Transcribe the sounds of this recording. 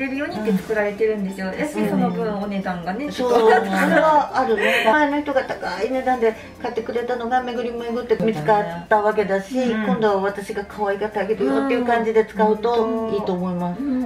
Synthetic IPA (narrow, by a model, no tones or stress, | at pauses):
eɾɯ̟joːɲ̟ʲii̥k̪ːet͡sɨ̥kɯ̟ɾaɾe̞t̪eɾɯ̟̃nd̪esed̪od̪e̥eonokʲoonesãŋɡanesoːsoɾeβaːɾɯ̟neamaeno̞çi̥t̪o̞ɡat̪ḁkaine̞d̪ãnd̪e̞ | kat̪ːe̞kɯ̟ɾe̞t̪ano̞ɡame̞ɡɯ̟ɾʲimomeɡɯ̟t̪ːe̞mʲit͡sɨ̥kat̪ːaβak̬e̞d̪aɕikõnd̪o̞βaβat̪aɕiɡakʰaβaikat̪aɡet̪eɯot̪ːeiɯ̟kãɲ̟d͡ʑid̪e̞t͡sɨ̥kaɯ̟t̪o̞iːt̪o̞ːmo̞imasɨ̥